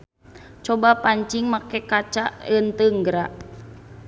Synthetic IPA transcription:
t͡ʃɔbapaɲt͡ʃiŋmakɛkat͡ʃaʔənt̪əŋɡɾaʔ

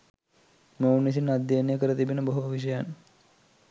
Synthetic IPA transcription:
mounːis̬inːad̪ːjenejəkəɾət̪ibinəboɦuʋʋiʃ̬əjan

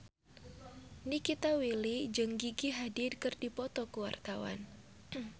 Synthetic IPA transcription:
nikit̪awilid͡ʒɨŋɡiɡiɦadidkɨrdipɔt̪ɔkuwa̰rt̪awa̰n

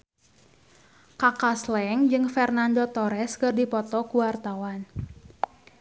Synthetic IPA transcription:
kakaslɛŋd͡ʒɨŋfɛrnandot̪ɔɾɛskɨrdipɔt̪ɔkuwart̪awan

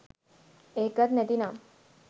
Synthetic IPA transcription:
eːkət̪net̪inam

